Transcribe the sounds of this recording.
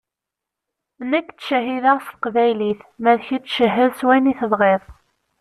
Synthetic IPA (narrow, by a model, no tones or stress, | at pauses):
nəkːt͡sːʃæɦiðəʁfqvæjliθmæðçit͡sːʃəɦːəðswæniθəðˤʁeðˤ